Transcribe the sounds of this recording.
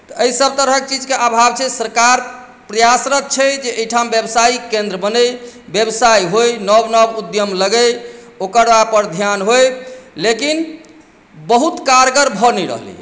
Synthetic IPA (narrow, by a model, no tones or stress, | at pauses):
t̪ɔəisəb̚t̪əɾəɦəket͡ʃid͡ʒkeʔabʱabt͡ʃʰɛsəɾkaɾ | pɾəjasɾət̪̚t͡ʃʰɛd͡ʒeʔəjʈʰambjəbsaikẽnd̪ɾəbənəjbjəbsaiɦojnəbnəbud̪jəmləɡəj | okəɾbapəɾd̪ʱjanɦojlekin | bəɦut̪kaɾɡəɾbʱɔnɛjɾə̰ɦlḭ